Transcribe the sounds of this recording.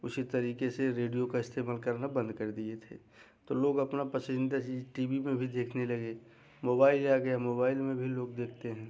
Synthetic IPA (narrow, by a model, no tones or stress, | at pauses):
ʊsit̪ɐɾiːkeseɾeːɖijokaɪst̪ʰeːmaːlkɐɾnabɐ̃nd̪kɐɾd̪iet̪ʰḛː | t̪oːloːɡɐpnapɐsɪ̃nd̪at͡ʃiʈiːbimẽbʱid̪eːkʰnelɐɡe | moːbaːɪlaːɡɐjamoːbaːɪlmẽbʱiloːɡd̪eːkʰt̪eɦɛ̃ː